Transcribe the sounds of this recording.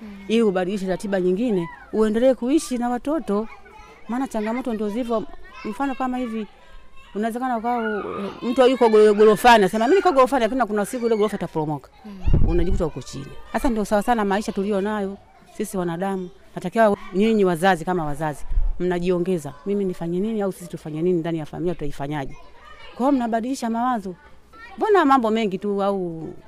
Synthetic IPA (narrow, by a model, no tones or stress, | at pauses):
iiuɓaɗiliʃɛɾatiɓaɲiŋɡinɛuɛndɛlɛːkuiʃinawatɔtɔ | maːnat͡ʃaŋɡamɔtɔndiɔzivɔm̩fanɔkamahivi | unawɛzɛkanaukawaum̩tuajukɔɡɔɡɔlɔfaniasɛmamimikaɡɔlɔfanilak̬ininakunausik̬uilɛɡɔlɔfaitapɔlɔmɔkḁunaʄikutahukɔt͡ʃḭnihasandiɔsawasanamaiʃatulijɔnajɔ | sisiwanaɗamu | natakiwaɲɛɲiwazazikamawazazim̩naʄiɔŋɡɛzamiminifaɲɛniniausisi̥tufaɲɛninindanijafa̰miiataifaɲaʄɛkaɔm̩naɓaɗiliʃamawazɔ | bɔnamambɔmɛŋɡituau